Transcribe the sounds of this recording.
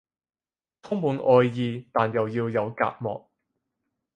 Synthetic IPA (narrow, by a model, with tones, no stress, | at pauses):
t̪ʰʊ˥ŋmuː˨˧nʔɔː˧jːiː˨˧t̪aː˨njɐ˨wjiː˧wjɐ˨˧wka̰ː˧t̚mɔ̰ː˨k̚